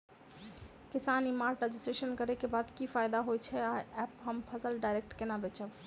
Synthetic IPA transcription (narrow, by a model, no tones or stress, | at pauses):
kisanimaɾʈɾed͡ʒisʈɾeʃənkəɾɛkebad̪kifʰajd̪aɦojt͡ʃʰɛaɛpɦəmpʰəsəlɖajɾek̚ʈkenabɛt͡ʃʰəb